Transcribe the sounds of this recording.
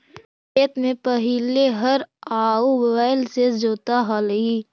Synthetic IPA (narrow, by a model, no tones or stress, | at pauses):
eːt̪mẽpəɦileɦəɾaːubobaːɪlsed͡ʒoːt̪aɦaləɦiː